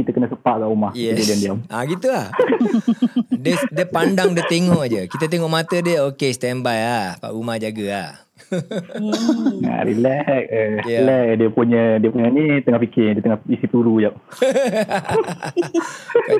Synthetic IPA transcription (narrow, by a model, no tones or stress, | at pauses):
kit̪əkənasəpaʔkaʔumahjɛididiandiamʔaɡit̪ulah | dədəpandaŋdət̪eŋɔʔd͡ʒəkit̪ət̪̬eŋɔʔmat̪ədəokest̪ɛnbajapa̰ʔumahd͡ʒaɡəah | a̰ɾḭlɛʔ̚əlɛʔədiəpuɲədiəpuɲənit̪əŋahpikɪdiət̪əŋahisipuɾud͡ʒap̚